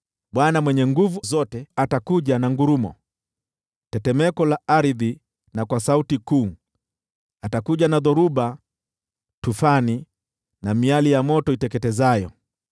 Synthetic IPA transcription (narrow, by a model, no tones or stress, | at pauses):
ɓwanamwɛɲɛŋɡuvuzɔtɛatakuʄanaŋɡuɾumɔ̰ | tɛtɛmɛkɔlaaɾiði | nakwasautikuː | atakuʄanaðɔɾuɓa | tufani | namialijamɔtɔitɛkɛtɛzajɔ